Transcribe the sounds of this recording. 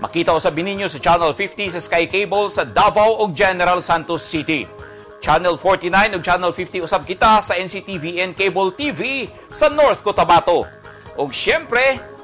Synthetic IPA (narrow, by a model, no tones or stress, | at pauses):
mʔɐ̰kiːt̪ɐʔʊsabɪniɲːosɐt͡ʃanɛlfift̪isɐskajkejbolsɐd̪avɐwʔoɡ̚d͡ʒɛnɛɾalsant̪osːit̪ḭ | t͡ʃanɛlfoɹt̪inãjnoɡ̚t͡ʃanɛlfift̪iʊsab̚kɪt̪asɐʔɛnsit̪iviʔɛnkejbolt̪ivi | sɐnoɹθkot̪ɐmat̪o | ʔoɡʃɛmpɾɛ